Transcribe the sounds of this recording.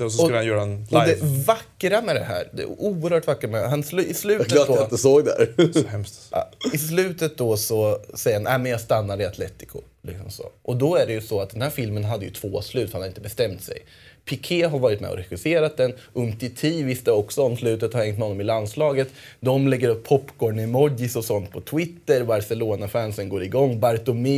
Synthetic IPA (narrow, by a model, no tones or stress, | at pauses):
sɔsɔləhanjœːɾaɛnɔd̪ɛvakːɾamɛd̪ɛɦæ̰ːɾd̪ɛ̰uːəɾhœːʈvakːəɾamɛɦanslʉɪslʉ̟ːtkəːd̪ɔt̪əsoːɡd̪æ̰ɾhɛmsɪslʉ̟ːt̪ət̪̚d̪ɔsɔsɛjəɾhanʔæːmɛnjɑːɡst̪anːaɾɪat̪ʰlɛt̪ːɪ̥kʰʊ̰ | lɪ̰ksɔmsɔ̰ʔɔd̪ɔæɖɛjɵsɔat̪̚d̪ɛnhæːɾfɪlmənɦad̪ːəjɵ̰t̪ʰv̥oːaslʉ̟ːt̪fhanhaɾɪnt̪əbɛst̪ɛmt̪sɛ̰j | pʰekʰeːɦaɾvɑːɾɪt̪mɛ̰ɔ̰ɾɛxɪseːɾat̪̚d̪ɛnʔɵnt̪ʰɪt̪ʰiːvɪst̪ɛɔksɔɔmslʉ̟ːt̪ət̪haɾhɛŋt̪hɔnːɔmɪlanslɑːɡət̪ | d̪ɔmlɛɡːəɾɵpʰːɔpːkʰoːɖɳɪmɔɪsɔsɔnt̪̚pʰɔt̪ʰwɪt̪ːəɾbaɾsɛloːnafænsənɡoːɾɪɡɔŋːbaɾt̪ʊmɪ